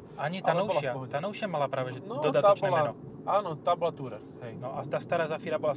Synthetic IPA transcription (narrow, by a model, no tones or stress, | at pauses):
ʔaɲit̪anowʃat̪anowʃamalapɾaːvɛʒɛndod̪at̪ɛt͡ʃnɛːlɛnɔ | anot̪ablat̪uɾɛ | ɦɛjnoʔat̪ast̪aɾaːzafiːɾabola